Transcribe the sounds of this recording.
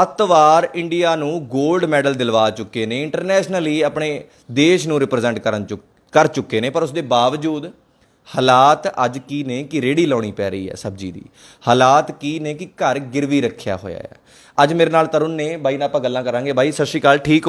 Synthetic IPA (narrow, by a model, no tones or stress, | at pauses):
ət̪ʋaːɾɪɳɖɪjaːnũːɡoːlɖmɛːɖəld̪ɪlʋaːt͡ʃʊkːeːneːɪɳʈəɾnɛːʃnəliːəpɳeː | d̪eːʃnũːɾɪpɾzɛ̃ɳʈkə | kəɾt͡ʃʊkːeːneːpəɾʊsd̪eːbaːʋd͡ʒuːd̪ | həːlaːt̪ə̰d͡ʒkiːneːkɪɾeːɽiːlɔːɽ̃iːpɛ̰ːɾəiːɦɛ̰ːsəb̚d͡ʒḭːd̪ḭː | haːlaːt̪kiːneːkɪkəɾɡɪɾʋiːɾəkʰːja̰ːɦo̰ːja̰ːɛ̰ː | əd͡ʒmeːɾeːnaːlt̪əɾʊnːẽːbʱaːiːnãːpãːɡəlːãːkəɾãːŋɡeːbʱaːiːsəʃiːkaːlʈʰiːkː